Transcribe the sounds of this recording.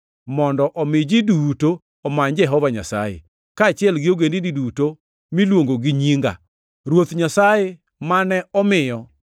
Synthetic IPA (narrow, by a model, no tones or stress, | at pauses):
mɔndɔʔɔmɪd͡ʒidutoː | maɲd͡ʒɛɦɔvaɲa̰sa̰jḛ | kaːt͡ʃɪɛlɡɪoɡendiniduto | milwoŋɡoɡiɲiŋɡa̰ | ɾwot̪ɲasaje | manɛʔɔmɪjɔ